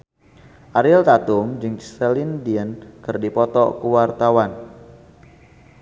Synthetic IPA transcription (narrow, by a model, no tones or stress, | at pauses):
ʔaɾɪlt̪at̪ʊmd͡ʒɨŋsɛlindiənkɨrdipɔt̪ɔ̰kuwart̪awan